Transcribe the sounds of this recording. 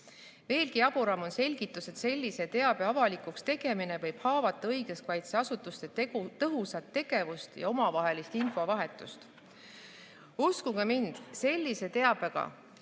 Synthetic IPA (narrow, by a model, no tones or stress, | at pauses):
ve̞ːlɡ̥iɑb̥uɾɑmo̞nse̞lʲɡ̥it̪ːˑuse̞t̪se̞lʲːise̞t̪e̞ɑb̥e̞ɑvɑlikukst̪e̞ɡ̥e̞mine̞vɤjb̥hɑːvɑt̪ːˑɑɤjɡ̥estvɑjt̪seɑsut̪ːˑust̪e̞t̪t̪ɤɦusɑt̪ːe̞ɡ̥e̞vust̪jɑ̰o̞mɑvɑɦe̞list̪info̞vɑɦe̞t̪ːˑust̪ | uskuɡ̥ɑmind̪̥se̞lʲːise̞t̪e̞ɑb̥eɡ̥ɑ̰